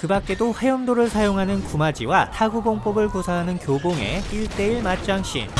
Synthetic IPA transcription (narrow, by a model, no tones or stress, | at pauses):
kɯbak̚k͈e̞doɸe̞jʌmdoɾɯɭsʰajoŋɦanɯnkumad͡ʑiwatʰaɡuboŋp͈ʌbɯɭkusʰaɦanɯnkjoboŋe̞̰iɭt͈e̞iɭmat͡ɕ͈aŋɕ͈ʰḭn